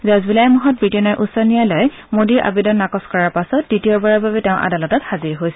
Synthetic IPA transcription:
zazbilaɛmuɦɔt̚bɹitiɔnɔɹʔusɔnijalɔj | modiɹʔa̰bidɔnːakɔskɔɹaɹpasɔt̚ditijɔbaɹabʱabɛtɛʊ̃ʔa̰dalɔtɔthaziɹɦojsɛ

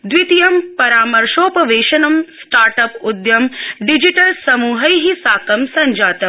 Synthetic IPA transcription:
d̪ʋit̪ijɐmpɐɾaːmɐɾʃoːpɐʋeːʃɐnɐmsʈaːɾʈɐpud̪jɐmɖid͡ʒiʈɐlsɐmuːɦɐjɦisaːkɐmsɐɲd͡ʒaːt̪ɐm

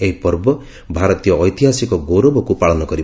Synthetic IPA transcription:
eɦipɔɾbɔ | bʱaɾɔt̪ijɔːjt̪iɦasikɔɡoɾobɔkupaɭɔnɔkɔɾi

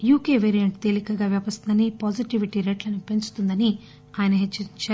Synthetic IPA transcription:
juːke̞ːʋeːɾijɐɳʈt̪e̞ːlikɐɡaːʋjɐːbɐst̪und̪ɐnipaːd͡ʒiʈiʋiʈiɾeːʈlɐnupe̞nt͡ʃu̥t̪und̪ɐni | aːjɐnɐɦet͡ʃːɐɾiɲt͡ʃa

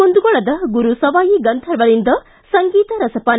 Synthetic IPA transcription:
ond̪uɡɔɭɐd̪ɐɡuɾusɐʋaːjiɡɐnt̪ʰɐɾʋɐɾind̪ɐ | sɐŋɡiːt̪ɐɾɐsɐpaːn

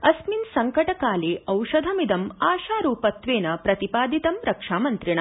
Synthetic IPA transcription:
ɐsminsɐŋkɐʈɐkaːleːʔɐwʃɐd̪ʱɐmid̪ɐmaːʃaːɾuːpɐt̪ʋeːnɐpɾɐt̪ipaːd̪ʱit̪ɐmɾɐkʂaːmɐnt̪ɾiɳ̃ɐ

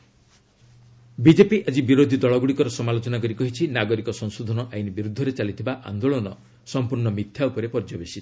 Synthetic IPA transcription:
bid͡ʒepiʔad͡ʒibiɾod̪ʱid̪ɔɭɔɡuɽikɔɾɔsɔmalot͡ʃɔnakɔɾikɔɦit͡ʃʰinaɡɔɾikɔsɔŋsod̪ʱɔnɔʔainibiɾud̪ʱːɔɾet͡ʃalit̪ʰibaʔa̰nd̪oɭɔnɔ | sɔmpuɾnɔmit̪ʰjaupɔɾepɔɾd͡ʒɔbesi

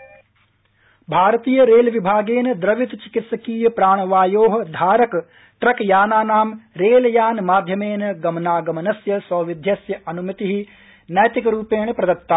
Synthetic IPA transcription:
bʱaːɾɐt̪iːjɐɾeːlʋibʱaːɡeːnɐd̪ɾɐʋit̪t͡ʃi̥kit̪sɐkiːjɐpɾaːɳ̃ɐʋaːjoːɦɐ̆d̪ʱaːɾɐk | ʈɾɐkjaːnaːnaːmɾeːljaːnmaːd̪ʱjɐmeːnɐɡɐmnaːɡɐmɐnɐsjɐsɐːʋid̪ʱjɐsjɐʔɐnumɐt̪iɦi | nɐjt̪ikɐɾuːpeːɳpɾɐd̪ɐk̚t̪ːaː

